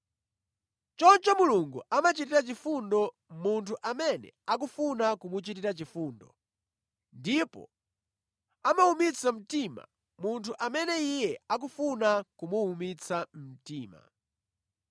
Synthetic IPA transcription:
t͡ʃɔnt͡ʃɔmuluŋɡuamat͡ʃitiɾat͡ʃifundɔ | muntʰuʔamɛnɛ̰ak̬ufunakumut͡ʃitiɾat͡ʃifuːndɔ | ndipɔ̰ | amaumit͡sʰam̩tima̰ | muntʰuʔamɛnɛijɛak̬ufunakumuːmit͡sʰamm̩tiːma̰

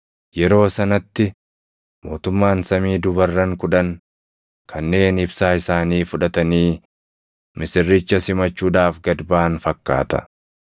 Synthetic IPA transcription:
jɛɾo̞ːsɐnɐt̪ːɪ | mo̞ːt̪ʊmːaːnsɐmiːd̪ʊbɐrːɐŋkʊᶑɐŋ | kʰɐnːe̞ːnɪbsaːɪsaːniːfʊᶑɐt̪ɐniː | mɪsɪrːɪt͡ʃːɐsɪmɐt͡ʃːuːᶑaːfɡɐd̪baːnfɐkːa̰ːt̪ɐ̰

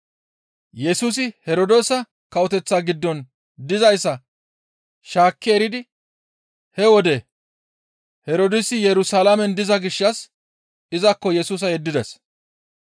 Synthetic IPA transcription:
jɛsuːs̬ɪhɛɾod̪oːsɐ | kɐɔt̪ɛt͡sːaːɡɪd̪ːɔn | d̪ɪzɐjsɐ | ʃaːkːɪɛɾɪd̪ɪ | hɛwɔd̪ɛ | hɛɾoːd̪ɪsɪjɛɾʊsaːlamɛnd̪ɪzɐɡɪʃːɐs | ɪzɐkːɔjɛsuːs̬ɐjɛd̪ːɪd̪ɛs

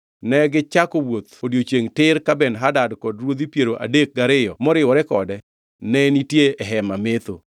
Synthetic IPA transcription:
nɛɡɪt͡ʃakowot̪odjot͡ʃeŋtɪɾkabɛnɦadadkɔdɾwod̪ipjeɾoʔa̰dek̚ɡaɾɪjɔmɔɾɪwɔɾɛkɔdɛ | nɛnitjeɛɦɛmamet̪o

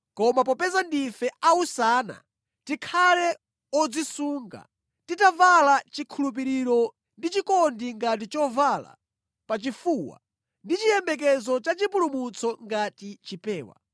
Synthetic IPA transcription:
kɔmap̬ɔpɛzandifɛausaːna̰ | tikʰalɛ | ɔd͡zisuːŋɡa̰ | titavalat͡ʃikʰulup̬iɾiɾɔ | ndit͡ʃikɔndiŋɡat̬it͡ʃɔvala̰ | pat͡ʃifuːwa̰ | ndit͡ʃijɛmbɛk̬ɛzɔt͡ʃat͡ʃipulumut͡sʰɔŋɡatit͡ʃipɛːwa̰

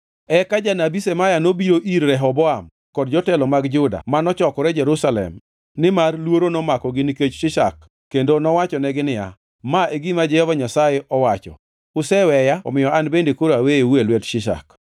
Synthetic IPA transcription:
ɛkad͡ʒanabisemajanobiɾoʔiɾːɛɦɔbɔam | kɔdd͡ʒɔtɛlɔmaɡd͡ʒʊda̰manɔt͡ʃɔkɔɾɛd͡ʒɛɾusalɛ̰m | nɪmarlwoɾonɔmakɔɡɪniket͡ʃʃɪʃa̰kː | endonɔwat͡ʃɔnɛɡɪnɪja̰ | maʔeɡimad͡ʒɛɔvaɲasajeʔɔwat͡ʃɔ̰ | ʊsɛwɛjaɔ̰mɪjɔanbendekoɾoaweewelwɛtʃɪʃa̰k

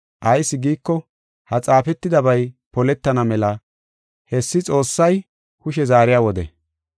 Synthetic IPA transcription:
ʔɐjsːɪɡiːkːɔ | hɐt͡sʼaːfɛt̪ːɪd̪ɐbɐjpɔlɛt̪ːɐnɐmɛlɐ | hɛsːɪt͡sʼo̞ːsːɐj | kʊʃɛzaːɾɪjaːwɔd̪ɛ̰

